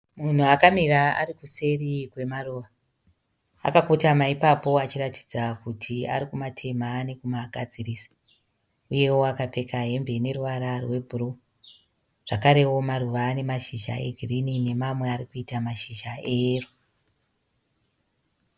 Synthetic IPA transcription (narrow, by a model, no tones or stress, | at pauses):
mun̤uakamiraa̰ɾikuse̞rikwe̞maruːʋa | a̰kakotamaipapo̞at͡ʃirati̥d͡zakutʰia̰ɾikumatʰe̞maːne̞kumaɡʱad͡ziriːsḁ | uje̞woakape̞kaɦe̞mbe̞ne̞ruʋaɾarwe̞bʱuɾo | ʐ̥akaɾe̞wo̞maɾuʋaːne̞maʃiʒa̰e̞̰ɡʱirinine̞mamwe̞aɾikuitamaʃiʒaero